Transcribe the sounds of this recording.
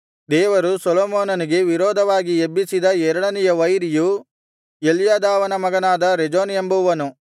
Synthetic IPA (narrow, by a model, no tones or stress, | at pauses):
d̪ɛːʋɐɾusɔloːmoːnɐniɡe̞ʋiɾɔːd̪ʱɐʋaːɡiebːisid̪ɐɛɾɐɭɐnijɐʋɐjɾiju | eljaːd̪aːʋɐnɐmɐɡɐnaːd̪ɐɾed͡ʒoːnembuʋɐnu